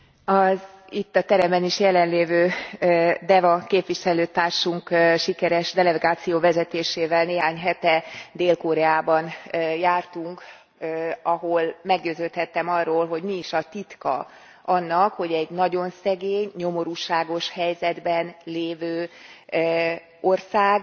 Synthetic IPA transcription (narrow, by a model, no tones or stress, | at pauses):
ɒzit̪ːɒt̪ɛɾɛmbɛniʃjɛlɛnleːvøː | d̪ɛvɒkeːpʋiʃɛløːt̪aːrʃuŋkʃikɛɾɛʃd̪ɛlɛɡaːt̪sijoːvɛzɛt̪eːʃeːvɛlneːɦaːɲɦɛt̪ɛd̪eːlkoɾɛaːbɒnjaːrt̪uŋk | ɒɦolmɛɡɟøːzøːlt̪hɛt̪ːɛmɒrːoːlɦo̞ɟmiːʃɒt̪it̪kɒ̰ | ʔɒnːɒkho̞ɟɛɟnɒɟo̞nsɛɡeːɲɲo̞mo̞ɾuʃaːɡo̞ʃhɛjzɛd̪bɛnleːvøː | orsaːɡ